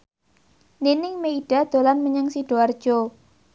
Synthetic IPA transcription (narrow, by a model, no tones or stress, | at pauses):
ninɪŋmeiɖ̥a̤d̪̥o̤lanməɲəŋsiɖ̥oard̥ʒ̥o